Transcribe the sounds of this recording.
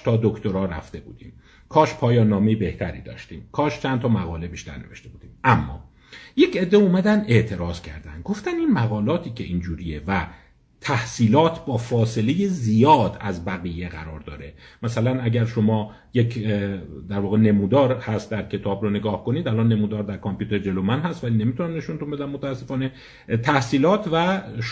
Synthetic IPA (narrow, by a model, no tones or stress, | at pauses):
t̪ʰɒːd̪okʰt̪oɾɒːɾæ̰ft̪e̞bṵːd̪ḭːm | kʰɒːʃpʰɒːjɒːnːɒːmejebe̞ht̪ʰæɾḭːd̪ɒ̰ːʃt̪iːmkʰɒːʃt͡ʃʰænt̪ʰɒːmæɣɒːle̞biːʃt̪æ̰ɾne̞ve̞ʃt̪e̞buːd̪iːmʔæmːɒ̰ː | je̞ce̞d̪ːeumæd̪ænd̪e̞ʔt̪ʰe̞ɾɒːzcʰæɾd̪ænd̪̚ɡo̞ft̪æniːnmæɣɒːlɒːt̪ʰiːcʰe̞ʔind͡ʒuːɾievæ | t̪ʰæhsiːlɒːt̪ʰbɒːfɒːse̞le̞jezijɒːd̪æzbæɣije̞ɣæ̰ɾɒːɾd̪ɒ̰ːɾemæsælænæɟæɾʃo̞mɒː | jekʰ | d̪æɾvɒːɣene̞muːd̪ɒːɾhæst̪̚d̪æɾcʰe̞t̪ʰɒːbɾone̞ɡɒːhko̞niːd̪ælɒnːe̞mud̪ɒːɾd̪æɾkʰompʰjuːt̪e̞ɾd͡ʒe̞lomænɦæst̪væliːne̞mit̪ʰunæmne̞ʃunt̪unbe̞d̪æmmːot̪ʰææsːe̞fɒːne̞ | t̪ʰæhsiːlɒːt̪ʰvæʃ